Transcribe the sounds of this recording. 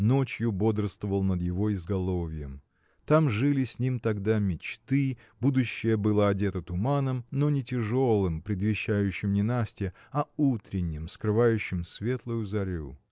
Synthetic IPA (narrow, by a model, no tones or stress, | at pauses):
no̞t͡ɕjʊbo̞d̪ɾəst̪vəvəlˠnəd̪jɪvo̞ɪzɡɐlˠo̞vʲɪjəm | t̪amʐɨlʲɪsʲnʲimt̪ɐɡd̪amʲɪt͡ɕt̪ɨ | bud̪ʊɕːɪjəbɨlˠəɐdʲet̪ət̪ʊmanəmno̞nʲɪtʲɪʐo̞lˠɨmpɾʲɪd̪vʲɪɕːæjʉɕːɪmnʲɪnasʲtʲɪ | ɐut̪ɾʲɪnʲːɪmskɾɨvajʉɕːɪmsvʲe̞t̪lˠʊjʊzɐɾʲṵ